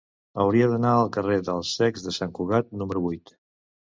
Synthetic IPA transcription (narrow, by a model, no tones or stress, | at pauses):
əwɾiəðənaəlˠkəreðəlˠsːɛɡzðəsaŋkuɣat̪̚numəɾuβujt̪